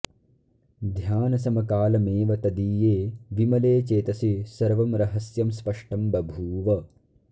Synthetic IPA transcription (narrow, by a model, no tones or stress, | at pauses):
d̪ʱjaːnɐsɐmɐkaːlɐmeːʋɐt̪ɐd̪iːjeːʋimɐleːt͡ʃeːt̪ɐsisɐɾʋɐmɾɐɦɐsjɐmspɐʂʈɐmbɐbʱuːʋɐ